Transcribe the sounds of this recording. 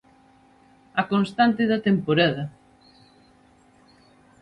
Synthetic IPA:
ɐkonst̪ant̪ɪðɐt̪empoɾaðɐ

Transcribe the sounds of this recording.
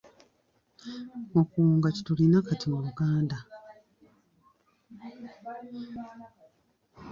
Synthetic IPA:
okuːŋɡaci̥tulinakatimuluɡaːnda

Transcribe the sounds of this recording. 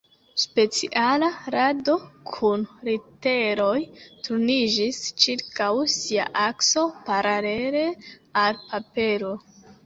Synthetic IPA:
spe̞t͡siʔalaɾado̞kʰunɾite̞ɾo̞jtuɾnid͡ʒist͡ʃiɾkawsia̰ʔakso̞paɾale̞ɾe̞alpape̞ɾo̞

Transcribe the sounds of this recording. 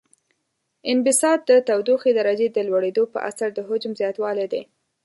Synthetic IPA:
ɪnbɪsɑd̪̚ːət̪awd̪uxed̪aɾad͡ʒed̪əlwaɽed̪opə̰ʔa̰saɾd̪əɦʊd͡ʒmzjɑt̪wɑled̪e

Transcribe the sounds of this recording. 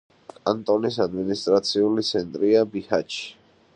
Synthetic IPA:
kʼant̪ʼɔnisad̪minist̪ʼɾat̪sʰiulit̪sʰɛnt̪ʼɾiabihat͡ʃʰ

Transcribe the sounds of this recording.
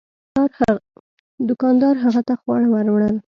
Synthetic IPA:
ɾ | d̪ʊkɑnd̪ɑɾɦaɣat̪axwɑɽawəɾwɳəl

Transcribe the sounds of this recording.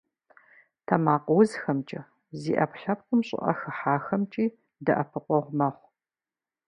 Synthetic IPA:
tʰɐmaːqwzxɐmt͡ʃʼɐ | zḭːʔɐ̰pɬɐp̚qʷʊmɕʼɪ̰ʔɐ̰xɨħaːxɐmt͡ʃʼiː | dɐʔɐpʰɨqʷʼɔʁʷmɐχʷ

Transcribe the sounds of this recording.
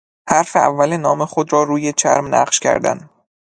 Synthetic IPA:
hæɾfeæ̰vːælenɒːmexod̪ɾɒːɾuːjet͡ʃʰæ̰ɾmnæ̰ɢʃcʰæ̰ɾd̪æ̰n

